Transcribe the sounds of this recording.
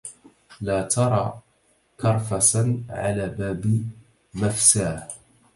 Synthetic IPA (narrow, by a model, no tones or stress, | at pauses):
laːt̪ɑɾˤɑ̰ː | kɑɾˤfasaʕa̰laːbaːb | mafsaːh